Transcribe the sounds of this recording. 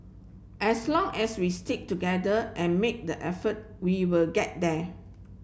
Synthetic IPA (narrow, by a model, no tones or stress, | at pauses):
ʔɛslɔ̃ŋɛswistik̚tuɡɛdəʔɛ̃nmek̚dəʔɛfət̚ | wiwɪlɡɛt̚dɛ